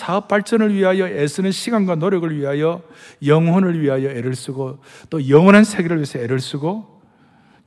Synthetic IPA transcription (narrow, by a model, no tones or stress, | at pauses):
sʰaʌp͈̚aɭt͡ɕ͈ʌnɯɭɥiɦajʌesʰɯnɯnɕʰiɡanɡwanoɾjʌɡɯɭɥiɦajʌjʌŋɦʌnɯɭɥiɦajʌeɾɯɭs͈uɡot͈ojʌŋwʌnɦansʰe̞ɡeɾɯɭɥisʰʌeɾuɭs͈uɡo